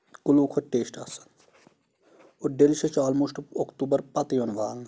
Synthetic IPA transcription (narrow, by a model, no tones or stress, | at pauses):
kuluːkʰoʈːeːsʈɐsɐ̥n | oɖelʃɐt͡ʃaːlmuʃʈokt̪uːbɐɾpɐt̪ijonʋaːl